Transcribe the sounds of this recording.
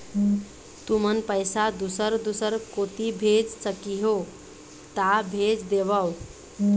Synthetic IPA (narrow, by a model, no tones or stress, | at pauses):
t̪umənpəjsad̪usəɾd̪usəɾkot̪ibʱed͡ʒsəkiɦo | t̪abʱed͡ʒd̪eβəw